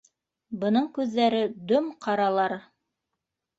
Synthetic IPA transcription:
bɤ̆nɤɴkʉðːæɾɘd̪ɵmqʰɑɾɑlˠɑɾ

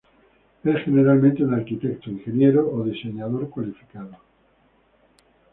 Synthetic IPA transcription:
esxe̞ne̞ɾalmẽnt̪eunaɾkit̪e̞k̚t̪oiŋxe̞nje̞ɾoːðise̞ɲað̞o̞ɾkwalifi̥kaðo

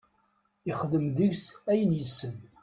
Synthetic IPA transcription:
ɪχəðəmðəʝsæjənjəsːən

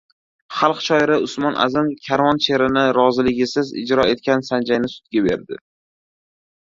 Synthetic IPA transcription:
χɑlˠqt͡ʃʰɒɪɾɪʊsmɒnʔa̰zɪmkʲʰaɾvɒnt͡ʃʰe̞ɾɪnɪɾɒzɪlɪɡʲɪsɪzɪ̰d͡ʒɾɒe̞t̪̚kʲansand͡ʒajnɪsʊ̥t̪̚ɡʲabe̞ɾd̪ɪ

